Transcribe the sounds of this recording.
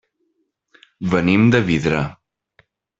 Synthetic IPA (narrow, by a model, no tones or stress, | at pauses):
βənimd̪əβiðɾa